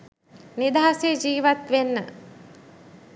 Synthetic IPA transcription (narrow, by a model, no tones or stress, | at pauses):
nid̪aɦased͡ʒiːʋat̪ʋenːə